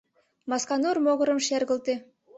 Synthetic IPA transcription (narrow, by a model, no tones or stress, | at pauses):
mɑskɑnurmoɣɤ̆ɾə̆mʃeɾɣə̆lt̪e